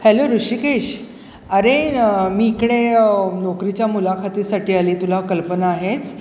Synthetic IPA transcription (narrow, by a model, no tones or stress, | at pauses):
hɛloɾuʂikeɕ | aɾemiːkɽenɔkɾit͡ɕjamulakʰat̪iːsaʈiːaliːt̪ulakəlpənaːɦet͡s